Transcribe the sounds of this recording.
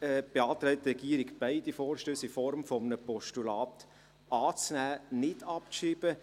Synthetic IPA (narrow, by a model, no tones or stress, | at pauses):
ɛːb̥eɑːt̪ɾɛɪtɾɛɡiːəɾɪɡb̥aɪd̥ifɔːɾʃtøːsifɔɾmfɔmənəpɔʃtulɑːt̪ | ʔɑːt͡snæːnɪdɑptʃiːb̥ə